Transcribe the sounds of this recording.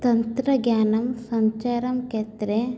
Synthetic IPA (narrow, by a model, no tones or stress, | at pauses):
t̪ɐnt̪ɾɐɡjaːnɐmsɐɲt͡ʃaːɾɐmkeːt̪ɾe